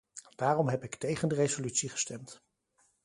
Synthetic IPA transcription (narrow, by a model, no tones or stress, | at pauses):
d̥aːrɔmɦɛpɪktejχəndərejzolytsiχə̥stɛmt